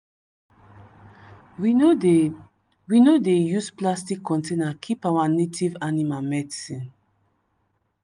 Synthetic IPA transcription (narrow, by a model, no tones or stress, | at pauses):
winodejusplastikʰːɔ̃ntʰenakʰipawanetʰivanimamɛdsĩn